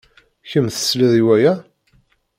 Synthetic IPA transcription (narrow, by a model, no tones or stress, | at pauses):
çəmθə̥sliðˤiwæjæ